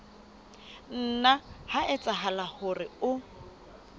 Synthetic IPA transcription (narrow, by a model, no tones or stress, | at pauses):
n̩ːnahaʔɪt͡sʼaɦalahʊrɪʊ